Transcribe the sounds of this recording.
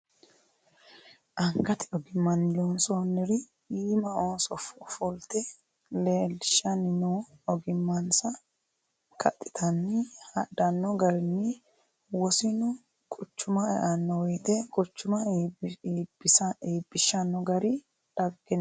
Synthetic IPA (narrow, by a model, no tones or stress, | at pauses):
ʔɐŋkɐt̪ɪɔɡɪmːɐnːɪlonsoːnːɪɾɪ | iːmɐoːsɔffɔlt̪ɛ | leːlʃɐnɪnoːɔɡɪmːɐnsɐ | kʰɐt̪ʼːɪ̥t̪ʰɐnːɪhɐdɐnːɔɡɐɾɪnːɪ | wɔsɪnʊ | kʼʊt͡ʃːʊmɐɛ̰ʔɐnːɔwɔjt̪ɛkʼʊt͡ʃːʊmɐiːbɪsɐiːbːɪʃːɐnːɔɡɐɾɪ | ᶑɐɡɡɛn